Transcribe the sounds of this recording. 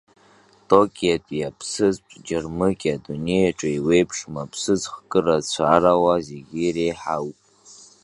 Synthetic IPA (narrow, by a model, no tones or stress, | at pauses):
tʼo̞kʲʼijatʼjapʰsɨzʈ͡ʂʼd͡ʒɪrmɨkʲʼadune̞jaʈ͡ʂʼaiwe̞jpʰʂmapʰsɨzχkʼɨrat͡ɕʷʰaɾawazeɡʲiɾejħawpʼ